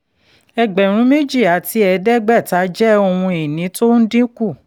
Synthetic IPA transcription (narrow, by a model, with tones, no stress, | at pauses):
ɛ˧ɡ͡bɛ˨ɾ̃ũ˨˦me˦d͡ʒi˦˨a˨ti˧ɛ˧dɛ˦ɡ͡bɛ˦˨ta˨˦d͡ʒɛ˦o˧hũ˧i˨nĩ˨˦to˦n̩˦dĩ˦ku˦˨